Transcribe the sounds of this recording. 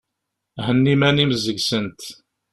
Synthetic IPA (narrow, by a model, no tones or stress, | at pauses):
hənːimæniməzəɡsənt̪